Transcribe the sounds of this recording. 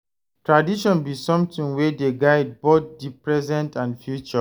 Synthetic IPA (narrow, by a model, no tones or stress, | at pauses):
tɹadiʃɔ̃nbisɔ̃mtĩŋwɛdeɡaɪd̚bot̚dipɹɛzɛ̃ntãnfjut͡ʃɔ